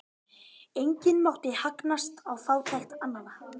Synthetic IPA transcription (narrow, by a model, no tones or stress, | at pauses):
ejɲcɪnmawht̪ɪhaknast̪awfaːwt̪ʰajxt̪anːana